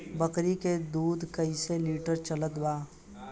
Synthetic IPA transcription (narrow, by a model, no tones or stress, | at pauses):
bəkɾiked̪uːd̪kəiseliːʈəɾt͡ʃələt̪baː